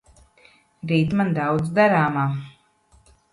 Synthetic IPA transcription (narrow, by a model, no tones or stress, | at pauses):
ɾiːt̪mand̪awd̪zd̪aɾaːmaː